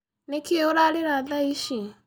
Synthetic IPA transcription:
nekeoɾaɾeɾaðaiʃi

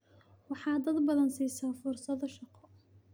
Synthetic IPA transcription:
wɑħɑːd̪ɐd̪bɐðɐnsiːsaːfʊrsɐðɔʃɑqɔ

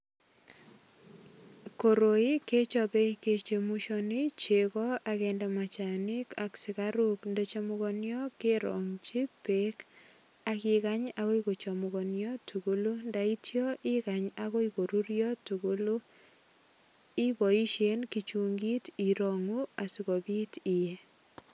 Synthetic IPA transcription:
koɾoiket͡ʃɔpɛiket͡ʃemuʃonit͡ʃekɔakɛndɛmat͡ʃanɪkaksɪkaɾukndɛt͡ʃamukɔnjɔkeɾɔ̰ŋt͡ʃipek | akɪkaɲakoikot͡ʃomuɣɔnjɔtʰukulundaitjɔʔikaɲaɣoikoɾuɾjɔtuɡul | ibɔiʃenkit͡ʃuŋɡitiɾoŋuasikɔbitije

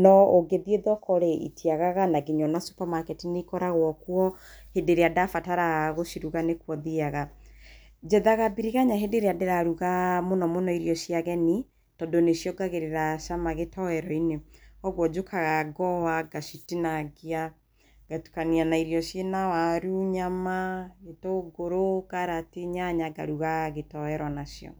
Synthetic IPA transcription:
nɔoɡeðieðɔkʰɔɾeḭtiaɣaɣanaɡiɲɔnasu̥pamakɛtineikɔɾaɣwɔkwɔ | hedeɾeadafataɾaɣoʃiɾuɣanekwɔðiaɣa | d͡ʒɛðaɣabiɾiɣaɲaɦedeɾeadeɾaɾuɣamonɔmonɔiɾiɔʃiaɣɛni | tɔdonesjɔɡaɣeɾeɾaʃamaɣetɔɛɾɔineɔɣwɔd͡ʒokʰaɣaɡɔwaɡaʃitinaɡia | ɡ̥atu̥kanianaiɾjɔʃjenawaɾuɲamaetoɡoɾokaɾateɲaɲaɡa̰ɾuɣaɣetɔɛɾwɔnasjɔ̰

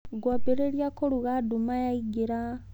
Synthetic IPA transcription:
ɡwapeɾeɾjakoluɣadumajaiɡiɾa

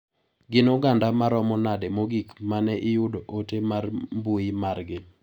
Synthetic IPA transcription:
ɡɪnoɡandamaɾɔmɔnadɛmoɡikmanɛʔɪjʊdoʔotemarmbuimarɡɪ

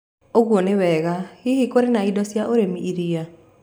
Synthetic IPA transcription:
oɣwonewɛɣahihikoɾenaidɔsjaʔoɾemiʔiɾia

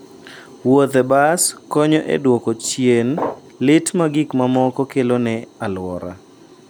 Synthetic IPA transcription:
wot̪ɛbaskɔɲɔʔḛdwɔkɔt͡ʃjen | lɪtmaɡɪkmamɔkɔkelonɛalwɔ̰ɾa̰

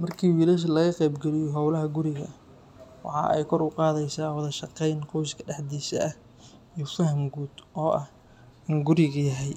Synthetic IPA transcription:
mɐrkʰiːwiːlɐʃ̬ɐlɐɣɐqɛjbɡɛlɪjɔɦɔwlɐɦɐɡʊɾɪɣɐ | wɑ̰ħɑ̰ːʔɛ̰jkʰɔrʊqɑːðɛjsaːwɑðɐʃɑqɛjnqɔwʃkʰɐɖɛħd̪iːʃɐ̰ʔɐ | ijɔfɐhɐmɡuːd̪ʔɔːʔɐh | ɪnɡʊɾɪɣɐjɐɦɛj

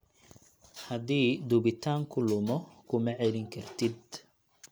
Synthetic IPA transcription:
hɐd̪iːd̪ʊβɪt̪ʰaːŋkʰʊlʊmɔkʰʊmɐʕɛlɪŋkʰɐrt̪ʰɪd̪̚

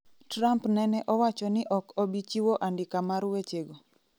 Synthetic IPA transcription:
tɾampnɛnɛʔɔwat͡ʃɔnɪʔɔkobit͡ʃiwoʔandɪkamaɾwet͡ʃeɡo

